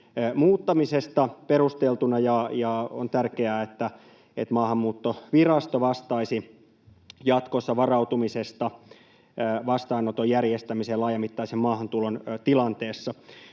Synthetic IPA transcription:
muːt̪ːɑmisest̪ɑperust̪elt̪unɑjɑjɑo̰nt̪ærkeæːet̪ːæ | et̪mɑːhɑmːuːt̪ːoʋirɑst̪oʋɑst̪ɑisi | jɑt̪kosːɑʋɑrɑuwt̪umisest̪ɑ | ʋɑst̪ɑinot̪ojærjest̪æmiselɑːjɑmit̪ːɑisemmɑːhɑnt̪ulont̪ilɑnt̪eːsːɑ

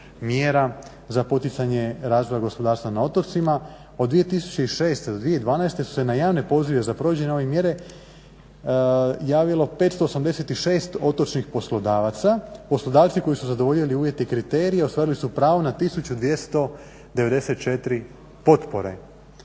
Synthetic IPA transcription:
mjeɾa | zapo̞t̪it̪saɲe̞ɾaːzʋo̞jaɡo̞spo̞d̪aːɾst̪ʋanao̞t̪ot̪sima | od̪ːʋijet̪isu̥t͡ɕeiʃeːst̪ed̪od̪ʋije̞id̪ʋaːnajst̪e̞su̥se̞najaːʋne̞po̞ziʋe̞zapɾoʋid͡ʑeɲeo̞ʋemje̞ɾe̞ | jaːʋilˠo̞pe̞t̪st̪o̞ːsamd̪eset̪iʃe̞ːst̪o̞t̪o̞t͡ʃnixpo̞slˠod̪aːʋat̪sapo̞slod̪aːʋt̪siko̞jisuzad̪oʋo̞ʎiliuːʋje̞t̪eikɾit̪e̞ːɾijeost̪aːɾilisupɾaːʋonat̪isut͡ɕud̪ʋje̞st̪o̞ | d̪eʋe̞d̪e̞se̞t̪̚t͡ʃe̞t̪ɾi | po̞t̪po̞ɾe̞̰

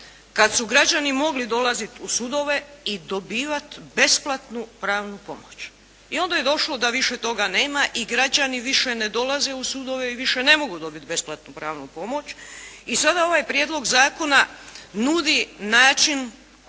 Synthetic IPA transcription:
kad̪suɡɾad͡ʒanimo̞ɡlid̪o̞lˠazit̪usud̪o̞ʋe̞id̪o̞biːʋat̪be̞splˠat̪nupɾaːʋnupo̞̰mo̞t͡ɕ | io̞nd̪aje̞d̪o̞ʃlo̞d̪aʋiʃe̞t̪o̞ɡane̞ːmaʔiɡɾad͡ʑaniʋiʃe̞ne̞d̪o̞lˠaze̞usud̪o̞ʋeiʋiʃe̞ne̞mo̞ɡud̪o̞bit̪̚be̞splat̪nupɾaːʋnupo̞mo̞t͡ɕisad̪ao̞ʋaːjpɾje̞ːd̪lo̞ɡzaːko̞nanud̪inaːt͡ʃin

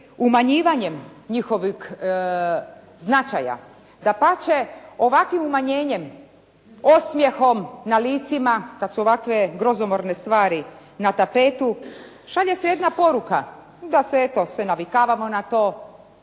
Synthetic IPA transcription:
umaɲiːʋaɲe̞mɲixo̞ʋix | znat͡ʃa̰ja̰ | d̪apat͡ɕe̞o̞ʋakʋimumaɲe̞ːɲe̞m | o̞smjexo̞mnaliːt̪simakad̪suoʋakʋe̞ɡɾo̞zomo̞ɾne̞st̪ʋaːɾi | nat̪ape̞t̪u | ʃaʎe̞seje̞d̪napo̞ɾuka | d̪aseet̪o̞senaʋikaːʋamo̞nat̪o̞ː

